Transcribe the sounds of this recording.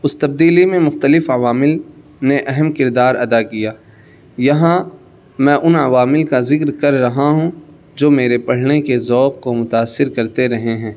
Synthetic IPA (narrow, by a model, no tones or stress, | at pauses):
ʊst̪ɐb̚d̪iːlimẽmʊxt̪əlɪfɐʋaːmɪl | neʔɛɦɛmkɪɾd̪aːɾɐd̪akijaː | jɐɦã | mɛ̃ːʔʊnɐʋaːmɪlkazɪkɾkɐɾːɐɦaɦũ | d͡ʒoːmeːɾepɐɽ̤nekezɔːq̚komʊt̪aːsːɪɾkɐɾt̪eɾɐɦeɦɛ̃ː